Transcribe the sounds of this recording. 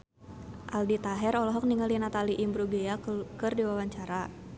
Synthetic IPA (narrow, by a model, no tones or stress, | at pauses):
ʔaldit̪aɦɛɾɔlɔɦɔk̚niŋalinat̪aliʔimbɾuɡeakɨrdiwawaɲt͡ʃaɾa